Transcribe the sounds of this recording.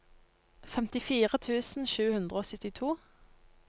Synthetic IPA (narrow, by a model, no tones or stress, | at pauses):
fɛmt̪ɪfiːʁət̪ʰʉːsn̩ʃʉːhʉnd̪ʁəoːsʏt̪ɪt̪ʰuː